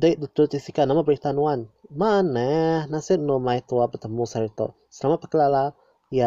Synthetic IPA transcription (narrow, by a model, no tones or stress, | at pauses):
dajd̪ut̪ut̪isikanamabɾit̪anuanmanɛhnasɪt̚nomajt̪uapət̪əmusaɾit̪ɔ̰ | səlamat̪̚pakəlala | ja